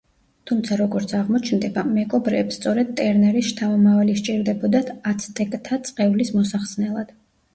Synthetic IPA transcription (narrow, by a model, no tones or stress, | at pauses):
t̪ʰumt̪sʰaɾɔɡɔɾt̪sʰaʁmɔt͡ʃʰnd̪ɛbamɛɡʼɔbɾɛːpst̪sʼɔɾɛd̪̚t̪ʼɛɾnɛɾiʃt̪ʰamamavaliʃt͡ʃʼiɾd̪ɛbɔd̪at̪ʰat̪sʰt̪ʼɛkʼt̪ʰat̪sʼqʼɛulismɔsaχsnɛlˠad̪̥